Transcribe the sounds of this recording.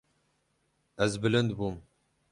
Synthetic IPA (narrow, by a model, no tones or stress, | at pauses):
ɛzbɨlɨnd̪buːm